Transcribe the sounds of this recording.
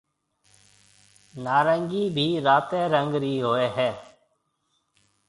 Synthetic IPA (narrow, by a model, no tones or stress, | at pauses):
naːɾəŋɡiːbʱiːɾaːt̪ẽːɾəŋɡɾiːɦoːeːɦɛː